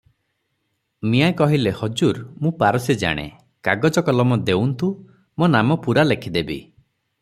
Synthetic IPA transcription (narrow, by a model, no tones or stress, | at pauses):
miajkɔɦilehɔd͡ʒuɾmũpaɾɔsid͡ʒa̰ɽ̃ḛ | kaɡɔd͡ʒɔkɔlɔmɔd̪ewnt̪u | monamɔpuɾalekʰid̪ebḭ